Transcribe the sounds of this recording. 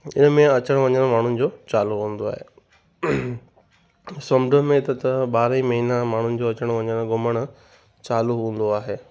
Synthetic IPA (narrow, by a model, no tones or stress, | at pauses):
ɪnmẽɐt͡ɕəɽ̃ʋɐɲəɽ̃maːɳ̤ʊnɪ̆d͡ʑoːt͡ɕaːluɦũːn̆d̪oa̰ːɦḛː | sɐmɖəmẽt̪ət̪ɐɓaːɾĩmɐɦinamaːɳ̤ʊnɪ̆d͡ʑoːɐt͡ɕəɽ̃ʋɐ̃ɲəɽ̃ɡʊməɽ̃̆ | t͡ɕaːluɦũːn̆d̪oaːɦeː